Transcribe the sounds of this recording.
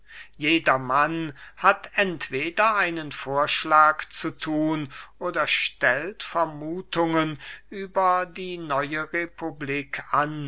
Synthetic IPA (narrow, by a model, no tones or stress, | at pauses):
jeːdɐmanhatʔɛntv̥eːdɐʔaɪnənfoːɐʃlaːkt͡sutʰuːnʔoːdɐʃtɛltfɛɐmuːtʊŋənʔyːbɐdiːnɔʏəʁepʰubliːkʰan